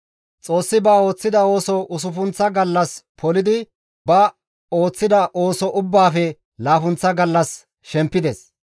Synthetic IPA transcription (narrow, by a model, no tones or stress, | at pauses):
t͡sʼo̞ːsːɪbaːo̞ːt͡sːɪd̪ɐo̞ːsɔʔʊs̬ʊfʊnt͡sːɐɡɐlːɐspʰɔlɪd̪ɪ | bɐ | o̞ːt͡sːɪd̪ɐʔoːsɔʔʊbːaːfɛ | laːfʊnt͡sːɐɡɐlːɐs | ʃɛmpːɪd̪ɛs